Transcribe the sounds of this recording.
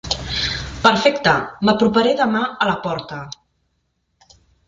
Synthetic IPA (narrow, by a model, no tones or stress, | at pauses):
pəɾfɛkt̪əməpɾupəɾeðəmaələpɔɾt̪ə